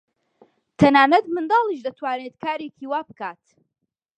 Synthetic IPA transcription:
t̪ʰɐnaːnɐt̪mɨnd̪ɑːlˠiʃd̪ɐt̪ʰwaːneːt̪kʰaːɾeːkʰiːwaːbɨkaːt̪

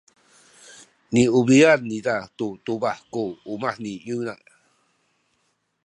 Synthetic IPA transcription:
niuβianːidat̪ut̪ubahkuːmahniuna

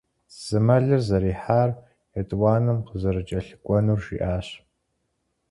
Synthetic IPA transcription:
z̥ɨmɐɮɨrzɐɾiːħaːr | jɛtʼwaːnɨmqʰəzɐɾɨt͡ʃʼɐɬɨkʷʼɔnuːrʃḭːʔaːɕ

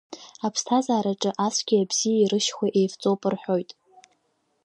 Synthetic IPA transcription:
apʰstʰazaːɾaʈ͡ʂʼɨʔasʷɡ̥ʲiabz̥ijaiɾɨʃχʷaʔejvt͡sʼowpʼɨrħʷᶣo̞jtʼ

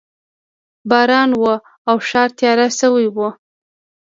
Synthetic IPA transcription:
bɑɾɑnwə | awʃɑɾt̪jɑɾasəwajwu

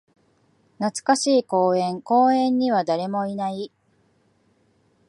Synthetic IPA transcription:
nat͡sɨ̥kaɕiːko̞ːẽ̞ŋko̞ːẽ̞ɲ̟ːiβad̪aɾe̞mo̞inai

